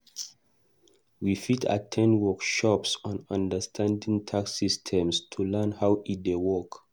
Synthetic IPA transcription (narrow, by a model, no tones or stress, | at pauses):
wifitʰa̰tʰɛ̃nwɔkʃɔpsɔ̃nãndəstʰãndĩŋtʰaksistʰɛ̃mstʰulɛnhawit̚dewɔk